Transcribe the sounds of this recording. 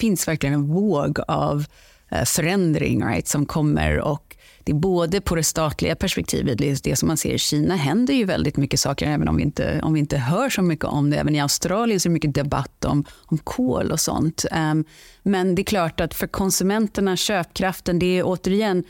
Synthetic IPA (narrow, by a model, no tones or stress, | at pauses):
fɪnsvæɾklɪɡənɛnvoːɡa̰v | fœɾɛnd̪ɾɪ̰ŋɾa̰ɪt̪sɔmkʰɔmːə̰ɾɔ̰k | d̪̥ɛːboːd̪əpʰɔd̪ɛst̪ɑːt̪lɪ̰ɡapʰæʂpɛk̚t̪ʰḭːvət̪̚d̪ɛd̪ɛsɔmːansḛːɾɪɕiːnaɦɛnd̪əɾjɵvɛ̰ld̪ɪt̪mʏkːəsɑ̰ːkəɾɛːvənɔ̰mvɪɪ̰nt̪ə̰ɔ̰mvɪɪnt̪əɦœːʂɔmʏkːə̰ʔɔmd̪ɛɛ̰ːvənɪaʊst̪ɾɑːlɪənsɔɛɾɛmʏkːəd̪ɛba̰t̪ːɔ̰mɔmkʰoːlʔɔsɔ̰nt̪ | mɛnd̪ɛːkʰlɑːʈat̪fœɾkʰɔnsɵmɛnt̪əɳaɕøːp̚kʰɾaft̪ənd̪ɛːʔoːt̪əɾɪjɛnː